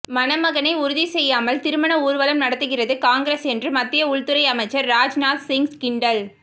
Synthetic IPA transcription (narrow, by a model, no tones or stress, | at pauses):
mɐnɐmɐɣɐnɐɪʊɾʊðisɛjːaːmɐlt̪ɪɾɯmɐnɐuːɾʋɐlɐmnɐɽɐt̪ːɯɣɪrɐðɯkaːŋɡɪɾeːsɛndrɯmɐt̪ːɪjɐʊɭt̪ɯɾɐɪɐmɐɪt͡ʃːɐɾːaːd͡ʒnaːlsɪŋɡskɪɳɖɐl